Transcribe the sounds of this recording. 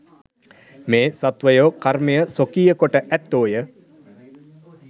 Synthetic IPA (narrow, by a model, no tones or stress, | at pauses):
meːsat̪ʋəjoːkarmejəsokiːjəkoʈəʔæt̪ːoːjə